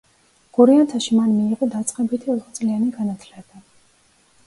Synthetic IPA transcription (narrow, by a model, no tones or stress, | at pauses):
ɡ̥uɾiant̪ʰaʃimanmiːʁɔd̪at̪sʼqʼɛbit̪ʰiɔt̪χɔt͡s̪ʼlianiɡanat̪ʰlɛba